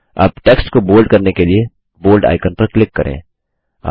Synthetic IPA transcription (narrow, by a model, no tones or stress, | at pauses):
a̰ːpʈeːksʈkoboːlɖkɐɾnekelie | boːlɖa̰ːɪkənpɐɾklɪkːɐɾʔḛ̃ː | a̰